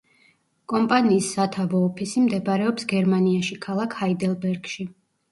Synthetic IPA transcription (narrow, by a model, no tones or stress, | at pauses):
kʼɔmpʼaniːsːat̪ʰavɔːpʰisimd̪ɛbaɾɛɔpsɡɛɾmaniaʃikʰalˠakʰhaid̪ɛlˠbɛɾɡ̥ʃi